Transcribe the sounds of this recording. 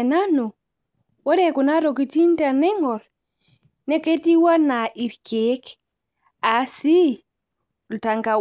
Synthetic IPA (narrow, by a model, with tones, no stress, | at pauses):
na˦no˨ | wa˦ɾeku˨na˦ɾo˨ki˨ti˦nta˨ne˦ŋɡɔ˨ɾ | ne˦ke˦ti˦wa˦na˨ʔi˨ɾkek | asi˦˨ | ta˨ŋka˨